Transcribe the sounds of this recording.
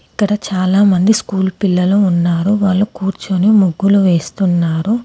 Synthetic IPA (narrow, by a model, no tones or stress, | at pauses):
ikːɐɽɐt͡ʃaːlaːmɐnd̪iskuːlpilːɐluunːaːɾuʋaːɭːukuːɾt͡ʃunemuɡːuluʋe̞ːst̪unːaːɾu